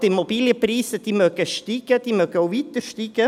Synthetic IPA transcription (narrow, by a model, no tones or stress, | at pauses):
d̪̥ɪmɔbiːljəpɾiːsəd̪̥imøːkəʃt̪iːkəd̪̥imøkəoʋit̪əʃtiːkə